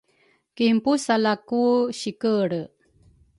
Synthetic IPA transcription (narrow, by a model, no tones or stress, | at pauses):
kimpusalakuɕikəɾə